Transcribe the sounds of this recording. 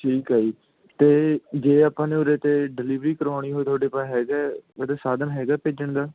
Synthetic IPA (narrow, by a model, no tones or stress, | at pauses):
ʈʰiːkɦaːiː | t̪eːd͡ʒeːaːpãːneːʊɾeːt̪eːɖɪliːʋɾiːkəɾaːɽ̃iːɦoːiːt̪ʰoaːɖeːpaːɦɛːɡɛːɛːd̪aːsaːd̪ənɦɛːɡaːpeːd͡ʒəɳd̪aː